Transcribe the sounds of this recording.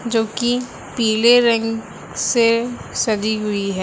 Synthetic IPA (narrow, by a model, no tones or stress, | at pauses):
d͡ʒoːki | piːleɾə̃ŋɡ | sesɐd͡ʒiɦʊiɦɛː